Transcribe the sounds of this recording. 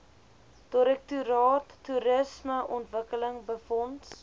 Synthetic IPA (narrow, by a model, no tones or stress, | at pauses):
d̥ɔɾɛk̚tuɾɑːtːuɾəsməʔɔntvəkələŋbəfɔnt